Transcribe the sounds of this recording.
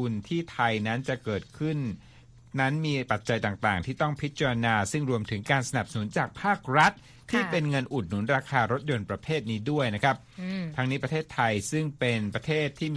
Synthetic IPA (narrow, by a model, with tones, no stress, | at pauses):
u˧nt̪ʰiː˥˩t̪ʰa˧jna˦˥nt͡ɕa˨˩kɤː˨˩t̪̚kʰɯ˥˩nː | a˦˥nmiː˧pa˨˩t̪̚t͡ɕa˧jt̪aː˨˩ŋt̪aː˨˩ŋt̪ʰiː˥˩t̪ɔ˥˩ŋpʰi˦˥t̪̚t͡ɕa˧ɾa˧naː˧sɯ˥˩ŋɾu˧əmt̪ʰɯ˩˦ŋkaː˧nsa˧na˨˩psa˧nu˩˦nt͡ɕaː˨˩k̚pʰaː˥˩k̚ɾa˦˥t̪̚ʰːiː˥˩pe˧nŋɤ˧nʔu˨˩t̪̚nu˩˦nɾaː˧kʰaː˧ɾo˦˥t̪̚jo˧npɾa˧pʰeː˥˩t̪̚niː˦˥du˥˩əjna˦˥kʰa˦˥p̚t̪ʰa˦˥ŋniː˦˥pɾt̪ʰeː˥˩t̪ʰːa˧jsɯ˥˩ŋpe˧npɾa˧t̪ʰeː˥˩t̪ʰːiː˥˩